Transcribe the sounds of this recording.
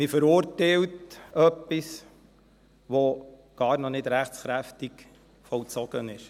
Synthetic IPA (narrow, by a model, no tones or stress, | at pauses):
mɪfəɾʊɾtɛltœpːis | ʋoɡ̥ɑːɾnɔnɪdɾæχtsχɾæftik | fɔlt͡sɔɡ̥ənɪʃ